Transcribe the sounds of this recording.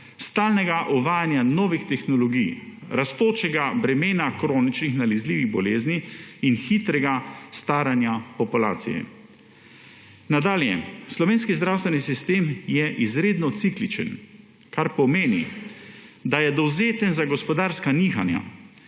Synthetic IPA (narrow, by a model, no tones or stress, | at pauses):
st̪aːlnɛɡaʔɔʋaːjanjanɔːʋixt̪ɛxnɔlɔɡij | ɾast̪oːt͡ʃɛɡabɾɛmeːnakɾoːnit͡ʃnixnalɛzliːʋiɣbɔleːzniinxiːt̪ɾɛɡast̪aːɾanjapɔpulaːt̪sḭjɛ̰ | nad̪aːljɛ̰slɔʋeːnskizd̪ɾawst̪ʋɛnisist̪eːmjɛʔizɾeːd̪nɔt̪siklit͡ʃə̰n | kaɾpɔmeːni | d̪ajɛd̪ɔwzeːt̪ənzaɡɔspɔd̪aːɾskaniːxanja̰